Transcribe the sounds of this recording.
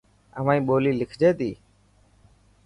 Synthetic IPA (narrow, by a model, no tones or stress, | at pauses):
ə̰ʋãːĩːɓoːliːlɪkʰd͡ʒeːt̪iː